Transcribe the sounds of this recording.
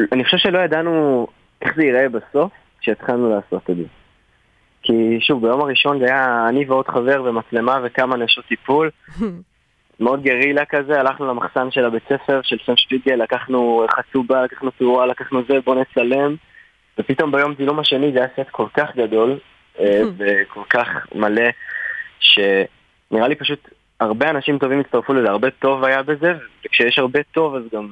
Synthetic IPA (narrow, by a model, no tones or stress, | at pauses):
anixχoʃevʃelo̞jad̪anu | ʔe̞χzeiʁe̞baso̞f | ʃeːtχalnulaːso̞t̪edze | kʰiʃuvbajo̞maʁiʃo̞nzajaːniveo̞d̪χave̞ʁve̞mat͡sle̞mave̞kamanaʃot̪ipul | meo̞d̪̚ɡeʁilakaze̞alaχnulamaχsanʃe̞labe̞t͡se̞fe̞ʁʃe̞lsemspiɡelːakaχnuχat͡subalakḁχnutualakaχnuze̞bo̞ne̞t͡sale̞m | vepito̞mbajo̞mzilumaʃe̞nizajaset̪kʰo̞lkaχɡad̪o̞l | evekʰo̞lkaχmale̞ | ʃe̞ | niʁalipaʃut | aʁbeanaʃimto̞vimitt͡sst̪aʁfulezeaʁbe̞to̞vajabe̞ze̞vvekʃejeʃhaʁbe̞to̞vazɡam